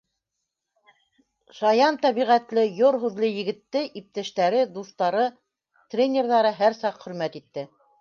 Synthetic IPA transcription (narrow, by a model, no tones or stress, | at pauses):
ʃɑjɑnt̪æβiʁæt̪lɘjoɾɦʉðlɘjɘ̆ɡɘ̆t̪ːɘʔip̚t̪æʃt̪æɾɘd̪uθt̪ɑɾɤ | t̪rʲenʲeɾðɑɾɤɦæɾsɑqχɵ̆ɾmæt̪it̪ːɘ